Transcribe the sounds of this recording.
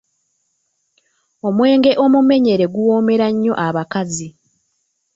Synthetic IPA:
o̞mwe̞ːŋɡe̞ʔo̞mume̞ɲe̞ɾe̞ɡuwo̞ːme̞ɾaɲːo̞̰ʔaβakazi

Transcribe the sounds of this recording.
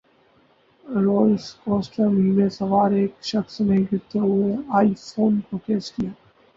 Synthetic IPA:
ɾoːlskɔ̃ːnsʈəmiːmẽsɐʋaːɾeːkʃɐxsnẽĩɡɪt̪oʊɦeaːifoːnkokeːskijaː

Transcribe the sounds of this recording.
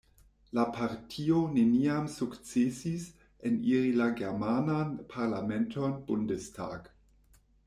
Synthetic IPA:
lapʰaʁtʰioneniamsukt͡sesis | enililaɡeʁmananpʰaʁlamentonb̥undestʰa̰ːɡ

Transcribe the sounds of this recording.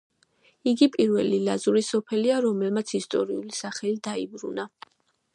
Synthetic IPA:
iɡipʼiɾvɛlilazuɾisɔpʰɛliaɾɔmɛlmat̪sʰist̪ʼɔ̰ɾiulisaχɛlid̪aibɾuna

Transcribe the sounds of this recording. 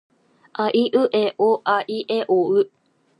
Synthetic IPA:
ʔaʔiʔɯʔeʔoʔaʔiʔeʔoʉ

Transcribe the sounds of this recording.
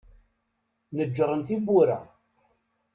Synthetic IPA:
nəd͡ʒːɾˤənθibuɾa̰

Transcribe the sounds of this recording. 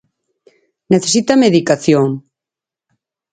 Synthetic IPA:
neθes̬it̪ameðikaθjoŋ

